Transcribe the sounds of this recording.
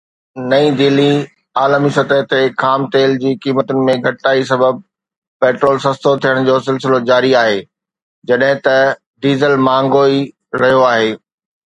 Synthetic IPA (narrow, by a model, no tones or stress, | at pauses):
nɐĩd̪ɪli | aːlmisɐt̪əɦt̪ekʰaːmt̪eːld͡ʑiːkiːmət̪ʊnɪ̆mẽɡʱɐʈaːis̬ɐbəb̚ | pɛːʈɾoːlsɐst̪ot̪ʰijəɽ̃d͡ʑoːsɪlsɪlod͡ʑaːɾiaːɦeː | d͡ʑɐɗɦɪ̃t̪ɐ | ɖiːzəlmãːŋɡoːi | ɾɐɦijoaːɦeː